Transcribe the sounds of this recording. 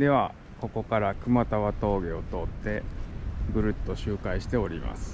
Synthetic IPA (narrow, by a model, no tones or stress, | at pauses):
d̪e̞β̞a̰ | ko̞ko̞kaɾakɯ̟mat̪aβat̪o̞ːɡe̞o̞t̪o̞t̪ːe̞ | ɡɯ̟ɾɯ̟t̪ːo̞ɕɨːkaiɕi̥t̪e̞o̞ɾʲima̰sɨ̥